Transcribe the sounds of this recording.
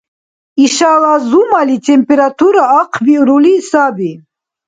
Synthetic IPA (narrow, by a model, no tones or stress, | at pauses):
iʃalazumalit̪ʰʼɛmpʰʼɛɾat̪ʰuɾaːqʰviɾulisabi